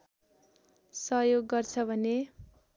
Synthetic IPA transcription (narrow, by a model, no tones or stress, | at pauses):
sʌɦjoɡːʌrt͡sʰʌbʱʌne